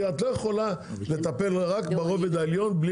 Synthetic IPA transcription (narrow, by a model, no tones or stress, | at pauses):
at̪lojeχo̞lale̞t̪ape̞lʁakbeʁo̞ved̪aeljo̞nbli